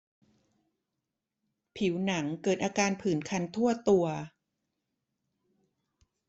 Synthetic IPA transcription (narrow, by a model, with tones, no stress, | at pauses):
pʰi˩˦wna˩˦ŋkɤː˨˩t̪̚ʔaː˧kaː˧npʰɯː˩˦nkʰa˧nt̪ʰu˥˩ɐt̪u˧ɐ